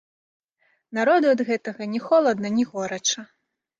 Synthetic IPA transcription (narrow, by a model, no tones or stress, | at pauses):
naɾɔd̪uɐd̪ɣɛt̪ɐɣɐnʲɛxɔlˠɐd̪nɐnʲɛɣɔɾɐt͡ʂɐ